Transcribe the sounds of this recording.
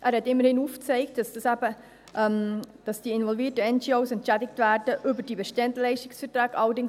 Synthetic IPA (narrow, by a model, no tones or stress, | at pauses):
ʔæːɾhɛtɪmːəɾhɪnuːft͡seɪk̚td̥ɑsd̥ɑsæbə | ʔɛmd̥ɑsd̥iːɪnvɔlviːtəɛnd͡ʒioʊsɛntt͡ʃɛdɪktvæːɾdəʔʏbəɾd̥iːbəʃtɛndlɛɪʃtɪksfəɾtɾɑːɡ̥əʔɑlːəɾdɪŋ